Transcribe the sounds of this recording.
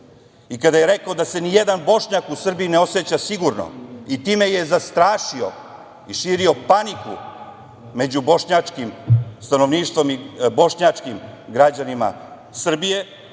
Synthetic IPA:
ikad̪ajeɾe̞kaod̪ase̞nijed̪anbo̞ʂɲakusr̩biine̞o̞set͡ɕasiɡuɾno̰it̪iːmeje̞zast̪ɾaːʃio̰ | iʃiːɾio̞panikṵ | me̞d͡ʑubo̞ʃɲat͡ʂkimst̪ano̞ʋniːʃt̪ʋo̞mibo̞ʃɲat͡ʂkimɡɾad͡ʑanima̰ | sr̩bije̞

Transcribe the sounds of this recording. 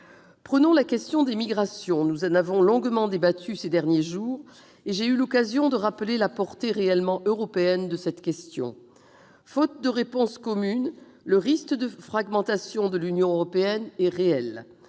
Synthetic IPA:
pχənɔ̃lakʲɛst̪jɔ̃d̪emiɡʁasjɔ̃nuzɑ̃navɔ̃lɔ̃ɡmɑ̃d̪ebat̪ʰysed̪ɛʁnjeʒuːʁ | eʒeylɔkazjɔ̃d̪əʁapəlelapɔʁt̪eʁeɛlmɑ̃ʔøʁɔpeɛnd̪əsɛt̪kʲɛst̪jɔ̰̃ | fɔt̪̚d̪əʁepɔ̃skɔmyn | ləʁiskəd̪əfχaɡmɑ̃t̪asjɔ̃d̪əlynjɔ̃øʁɔpeɛnɛʁeɛl

